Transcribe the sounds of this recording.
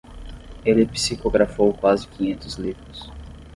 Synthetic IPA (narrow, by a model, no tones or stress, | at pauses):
elɪpi̥sikoɡɾafowkwazɪkĩɲẽnt̪ʊzlivɾʊs